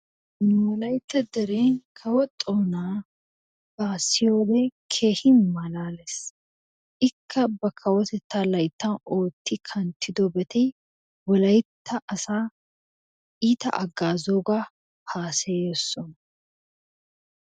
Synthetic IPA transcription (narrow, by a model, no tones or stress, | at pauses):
nwɔlɐjt̪ːɐd̪ɛɾeːŋkʰɐwɔt̪ʼːoːnaː | baːsɪjoːleːkʰeːhɪnmɐlaːlɛs | ʔɪkʰːɐbɐkʰːɐwɔt̪ɛt̪ːaːlɐjt̪ːɐno̞ːt̪ʰːɪkʰɐnt̪ʰɪd̪ɔbɛt̪ɛj | wɔlɐjt̪ʰːɐʔɐsaː | iːt̪ɐ̰ʔɐɡːaːzoːɡa | haːsejɛsːɔn